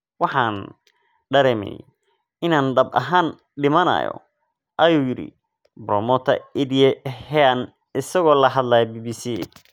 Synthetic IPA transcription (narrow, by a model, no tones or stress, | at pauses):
wɑħɑːn | ɖɐɾɛːmɛ̰j | ʔɪnaːnɖɐbʔɐ̰ɦaːn | ɖɪmɐnɐ̰ːjɔ̰ | ʔɐjuːjɪɽḭ | bɾɔmɔt̪ʰɐɪdijɛhɛɐn | ɪsɐɣɔːlɐɦɐd̪laːjɐbiːbiːsi